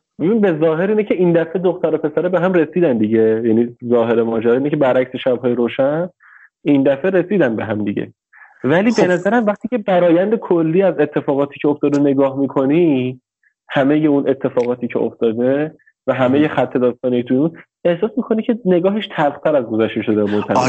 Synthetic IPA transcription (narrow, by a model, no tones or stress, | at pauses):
b̥ebinibe̞zɒːɦe̞ɾiːnecʰe̞ʔind̪æfed̪oxt̪æɾo̞pʰe̞sæɾebeɦæmre̞siːd̪ænd̪iɟe̞jænizɒːɦe̞ɾemɒːd͡ʒæɾɒːinecʰebæɾʔæcseʃæbɦɒːjeɾoːʃæn | ind̪æfeɾe̞siːd̪ænbe̞ɦæmd̪iɟḛ | væliːbenæzæɾæmvæχt̪iːcʰe̞bæɾɒːjænd̪ekʰolːiːæze̞t̪ʰːe̞fɒːɣɒːt̪ʰiːcʰeoft̪ɒːd̪ene̞ɡɒːhmikʰo̞ni | hæmeje̞unʔe̞t̪ʰːe̞fɒːɣɒːt̪ʰiːcʰeo̰ft̪ɒːd̪e̞ | væɦæmeje̞xæt̪ʰːe̞d̪ɒːst̪ɒːniet̪ʰujeun | e̞hsɒːsmikʰo̞nicʰene̞ɡɒːɦeʃt̪ʰælχt̪ʰæɾæzɡo̞zæʃt̪eʃo̞d̪emont̪ʰæme